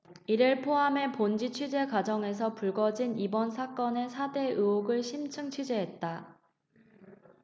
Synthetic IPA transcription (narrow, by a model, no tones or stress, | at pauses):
iɾɯɭpʰoɦame̞pond͡ʑit͡ɕʰɥid͡ʑe̞kwad͡ʑʌŋe̞s̬ʰʌpuɭɡʌd͡ʑinibʌnsʰak͈ʌne̞sʰade̞ʔɯoɡɯɭɕʰimt͡ɕʰɯŋt͡ɕʰid͡ʑeɦe̞t̚t͈a